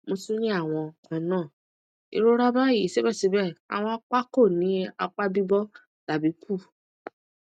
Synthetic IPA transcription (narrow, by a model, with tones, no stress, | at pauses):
mo˧su˦nĩ˦a˦˨w̃ɔ̃˧˨kɔ̃˧˦nãː˦˨ | ḭ˧ɾo˦ɾa˦ba˦ji˨˦se˦bɛ˦˨si˨˦bɛ˦˨a̰˨w̃ɔ̃˧a˦k͡pa˦ko˦˨nĩ˨˦a˧k͡pa˦bi˦bɔ˦ | ta˨bi˨˦kʰu˦˨